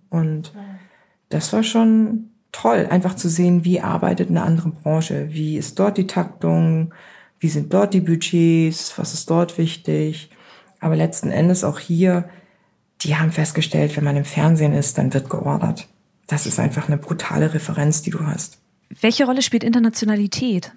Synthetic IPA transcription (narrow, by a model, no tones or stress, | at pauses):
ʔʊnt | d̥asv̥aːɐʃoːn | tʰɔlʔa̰ɪnfaχt͡suzeːənviːʔa̰ɐba̰ɪtətɪnɛɐʔandəʁənbʁɑːʃə̰viːɪst̚d̥ɔɐt̚d̥iːtʰak̚tʊŋ | v̥iːzɪnt̚d̥ɔɐt̚d̥iːbyd͡ʒeːsv̥a̰sɪ̥st̚d̥ɔɐtv̥ɪçtɪç | ʔaːbɐlɛt͡stn̩ʔɛ̰ndəsa̰ʊxhiːɐ | d̥iːhaːbm̩fɛst̚ɡ̥əʃtʰɛ̰ltv̥ɛnmanɪmfɛɐnzeːnɪst̚d̥a̰nvɪɐt̚ɡ̥əʔɔɐdɐ̰t | d̥asɪstʔa̰ɪnfaχnəbʁutʰa̰ːləʁefəʁɛnt͡sd̥iːduːɦa̰st | v̥ɛlçəʁɔləʃpiːltʔɪntɐnat͡sjonalitʰɛːt